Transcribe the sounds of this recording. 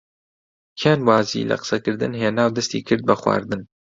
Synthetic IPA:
kʰeːnwaːzḭːlɐ̰qɨ̥sɐkɨɾd̪ɨnɦeːnaːwd̪ɐst̪iːkʰɨɾd̪̚bɐxwa̰ːɾd̪ɨn

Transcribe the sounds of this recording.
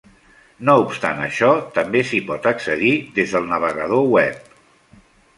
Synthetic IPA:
noupst̪a̰nə̰ʃɔt̪əmbesipɔt̪əksəðiðezðəlˠnəβ̞əɣəð̞owɛp̚

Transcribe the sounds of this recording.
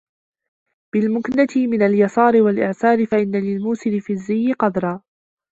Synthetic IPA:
b̥ɪlmʊknat̪ɪmɪnaljɑsˤɑːɾɪwalʔɪʕsɑːɾɪfaʔɪnːalɪlmuːsɪlɪfiːzːɪjːɪqɑd̪ɾˤɑː

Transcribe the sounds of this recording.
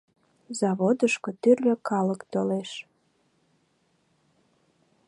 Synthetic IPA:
zɑβod̪əʃkot̪yrløkɑləkt̪oleʃ

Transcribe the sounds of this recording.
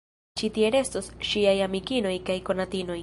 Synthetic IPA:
t͡ʃit̪ie̞ɾe̞st̪o̞sʃiajamikino̞jkajko̞nat̪ino̞j

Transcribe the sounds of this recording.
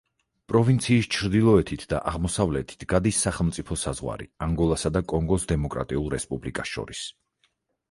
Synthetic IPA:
pʼɾɔvint̪sʰiːst͡ʃʰɾd̪ilˠɔɛt̪ʰit̪ʰd̪a̰ʔaʁmɔsavlɛt̪ʰi̥t̪ʰɡ̥ad̪isːaχɛlˠmt̪sʼipʰɔsazʁwa̰ɾḭaŋɡɔlˠasad̪akʼɔŋɡɔsd̪ɛmɔkʼɾa̰t̪ʼiulˠɾɛspʼublikʼasʃɔ̰ɾis

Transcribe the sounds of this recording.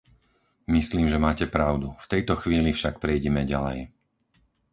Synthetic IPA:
misliːmʒɛmaːcɛpɾaʊd̪uft̪ɛjt̪ɔxʋiːlifʃak̚pɾɛjɟɛmɛɟalɛ̰j

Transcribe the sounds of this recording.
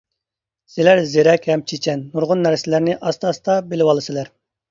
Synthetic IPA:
sɪlæɾzeɾɛkʲhɛmt͡ʃʰet͡ʃʰɛnːuɾʁʊnːæɾsɪlæɾnɪʔɑst̪ʰɑst̪ɑbelɪwɑlˠɨsɨlæɾ

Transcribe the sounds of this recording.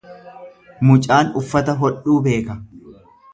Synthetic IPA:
mʊt͡ʃʼaːnʊfːɐt̪ɐɦɔᶑuːbe̞ːkɐ

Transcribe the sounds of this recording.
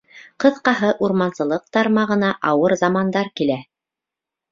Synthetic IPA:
qɤ̆ðqɑɦɤʔuɾmɑnsɤ̆lˠɤq̚t̪ɑɾmɑʁɤ̆nɑʔɑwɤɾzɑmɑnd̪ɑɾkilæ

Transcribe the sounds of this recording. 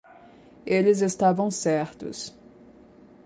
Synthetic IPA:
elɪzest̪avɐ̃w̃sɛɾt̪ʊ̰s

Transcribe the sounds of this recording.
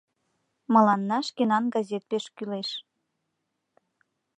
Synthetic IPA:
mɤ̆lɑnːɑʃkenɑnɡɑzet̪̚peʃkyleʃ

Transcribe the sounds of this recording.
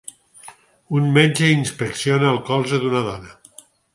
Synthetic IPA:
unmeɲd͡ʒeinspeksionaːlˠkɔlˠzeðunəðɔnə

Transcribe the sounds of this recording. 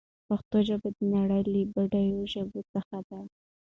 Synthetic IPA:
paxt̪oʒəbad̪ənaɽəjlibaɖajoʒəbot͡səxad̪a

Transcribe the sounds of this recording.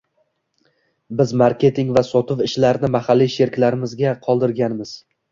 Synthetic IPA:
bɪzmaɾkʲe̞t̪ʰɪŋvasɒt̪ʰɪvɪʃlaɾnɪmahalːijʃe̞ɾkʲlaɾɪmɪzɡʲaqʰɒlˠd̪ɪɾɡʲanmɪz̥

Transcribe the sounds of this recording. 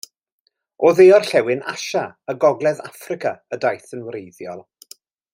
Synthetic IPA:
oːðejɔrɬɛwɪna̰ʃaəɡɔɡlˠɛðafrɪkaədajθənwɾejðjɔlˠ

